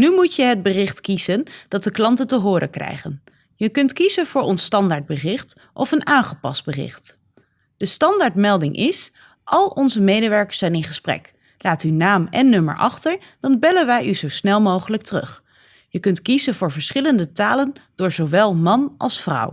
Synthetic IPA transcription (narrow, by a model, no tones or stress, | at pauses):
nymucjəɦəd̚bərɪχtkiz̥ənd̥ɑt̚dəklɑntəntəɦʊːɾə̰krɛ̰jχə̰n | jəkɵntkizənvʊːɹɔnstɑndaːɹd̚bərɪχt | ʔɔfənaːnχəpɑ̰sd̚bərɪ̰χt | d̥əstɑndaːɹtmɛlˠdɪŋʔɪs | ʔɑlˠɔnzəmejdəʋɛɹkə̥sɛjnɪnχəsprɛ̰k | laːtynaːmɛnːɵmə̰ɹʔɑ̰χtəɹ | d̥ɑnbɛlənʋɛjʔyzowsnɛlˠmowχələk̚tərɵ̰χ | jəkɵntkizənvʊːɹvəɹsχɪləndətaːlənd̥ʊːɹzowʋɛlˠmɑnʔɑ̰lˠsfrʌ̰w